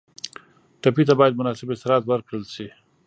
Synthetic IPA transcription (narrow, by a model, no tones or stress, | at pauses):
ʈapit̪abɑjad̪̚mʊnɑsɪbɪsɾɑt̪waɾkɽəlʃi